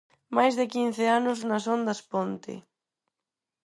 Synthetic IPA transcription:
majzðɪkin̟θɪanʊznɐsɔnd̪ɐspont̪ɪ̰

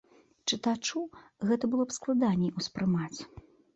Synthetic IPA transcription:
t͡ʂɨt̪at͡ʂuɣɛt̪ɐbɨlˠɔpsklˠad̪anʲiuspɾɨmat͡sʲ

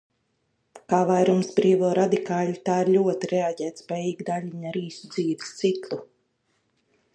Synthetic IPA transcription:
kaːvajɾumsbɾiːvɔːɾad̪ikaːʎʲit̪aːiɾlʲuɔt̪iɾɛaɟɛːt̪spʲɛːjiːɡd̪aʎʲiɲaɾiːsud̪ziːvist̪sit̪lˠu

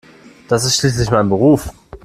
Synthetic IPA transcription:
d̥asɪstʃliːs̬lɪçmaɪnbəʁ̞uːf

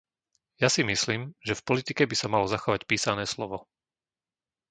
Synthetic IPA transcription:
jasimisliːmʒɛfpɔlit̪ikɛbisamalɔzaxɔʋacpiːsanɛːslɔʋɔ

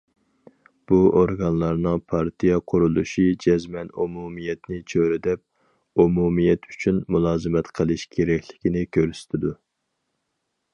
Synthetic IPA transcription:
b̥uʔoɾɡɑnlˠɑɾnɨŋpʰɑɾt̪ʰijɛqʰʊɾulˠuʃid͡ʒɛzmɛnumumijɛt̪nɪt͡ʃʰøɾɪd̪ɛp̚ | umumijɛt̪ʰy̥t͡ʃʰynmulˠɑːzɨmɛt̪qʰəlˠɨʃkʲʰeɾɛkʲʰlɪkʲinɪkʲʰøɾsɪ̥t̪ʰɪd̪u

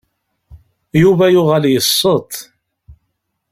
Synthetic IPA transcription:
juvæjʊʁæljəsˤːət̪ˤ

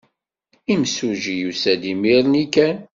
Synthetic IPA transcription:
imsuʒijusæd̪imiɾnikæn

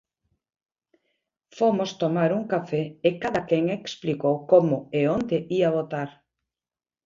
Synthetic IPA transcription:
fomost̪omaɾuŋkafɛekaðakɛŋeksplikowkomʊeond̪eʔiaβot̪aɾ

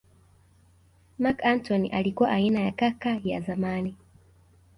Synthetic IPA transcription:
makantɔniʔalikuwa̰ʔainajakakaja̰zamani

